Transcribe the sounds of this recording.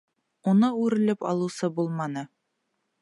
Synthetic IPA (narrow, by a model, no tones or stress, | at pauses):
unɤʉɾɘ̆lɘpɒ̰lˠusɤbulˠmɑnɤ